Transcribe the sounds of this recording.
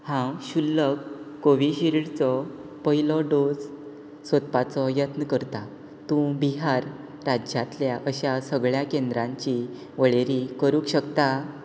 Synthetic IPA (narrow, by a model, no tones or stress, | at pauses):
hãɕulːəkː | oʋiɕiɾiɽt͡sɔ | pəɦilɔɖod͡z | sʋət̪pat͡sɔjət̪nəkəɾt̪a | t̪ũbiɦaɾː | ad͡ʑjat̪ljaʔəɕasəɡɭjakẽnd̪ɾãɲt͡ɕi | ʋəɭeɾikəɾũkɕəkt̪a